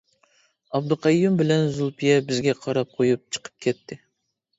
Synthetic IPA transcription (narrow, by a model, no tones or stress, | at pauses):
ɑb̚d̪ɨqʰɑjːumbɪlɛnzulˠpʰijɛbɪzɡʲɛqʰɑɾɑp̚qʰojup̚t͡ʃʰə̥qʰə̥p̚kʲʰɛt̪ʰːɪ